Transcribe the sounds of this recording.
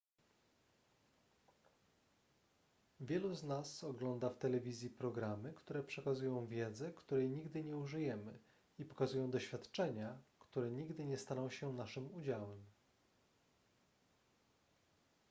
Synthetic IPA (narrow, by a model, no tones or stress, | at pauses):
vʲjɛluznasɔɡlɔnd̪aft̪ɛlɛvʲizʲjipɾɔɡɾamɘkt̪uɾɛpʂɛkazujɔ̃w̃vʲjɛd̪zɛkt̪uɾɛjɲiɡd̪ɘɲɛuʐɘjɛmɘ | ipɔ̥kazujɔ̃w̃d̪ɔɕfʲjat̪t͡ʂɛɲakt̪uɾɛɲiɡd̪ɘɲɛst̪anɔ̃w̃ɕɛnaʂɘmud͡ʑawɛm